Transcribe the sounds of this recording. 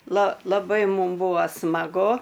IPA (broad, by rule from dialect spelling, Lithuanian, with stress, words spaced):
lˠɐ lˠɐˈbɐɪ ˈmʊm ˈbuːɐ smɐˈɡʊ